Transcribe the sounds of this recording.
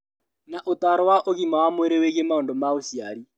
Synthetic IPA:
naʔotaɾɔwaʔoɣimawamweɾeweɣemaondomaosiaɾi

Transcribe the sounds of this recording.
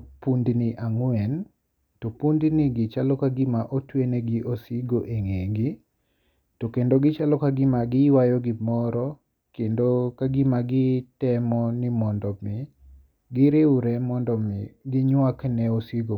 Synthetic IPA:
pundnɪʔaŋwɛn | tɔpundnɪɡɪt͡ʃalɔkaɡɪmaʔotwenɛɡɪʔosiɡoʔeŋeɡi | tokendoɡɪt͡ʃalɔkaɡɪmaɡɪwajɔɡɪmɔɾɔ | kendokaɡɪmaɡɪtɛmɔnɪmɔndɔmɪ | ɡɪɾeɾɛmɔndɔmɪɡɪɲwaknɛosiɡo

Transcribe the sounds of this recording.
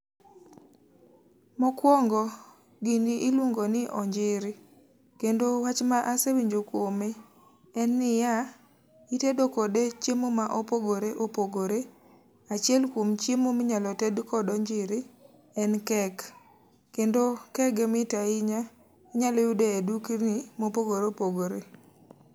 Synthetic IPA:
mɔkwɔŋɡɔ | ɡiniʔilwoŋɡonɪʔɔɲd͡ʒɪɾɪ | kendowat͡ʃmaʔasewiɲd͡ʒokwome | ɛnːɪja | itedokɔdet͡ʃemomaʔopoɡoɾeʔopoɡoɾe | at͡ʃɪɛlkwomt͡ʃjemomɪɲalɔtɛdkɔdɔɲd͡ʒɪɾɪ | ɛnkɛk | kendokɛɡɛmɪtaɪɲa | iɲalɔjʊdeeduknimopoɡoɾeopoɡoɾe

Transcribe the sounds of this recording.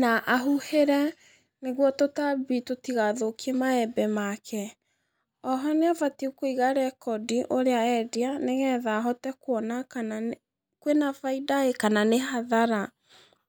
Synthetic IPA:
naʔaɦuheɾɛ | neɣwɔtotabitotiɣaðokʰemaɛbɛmakʰɛ | ɔɦɔneavatiukoiɣaɾɛkɔdiʔoɾeaɛdianeɣɛðaɦɔtɛkwɔnakna | kwenavaidaekananehaðaɾa

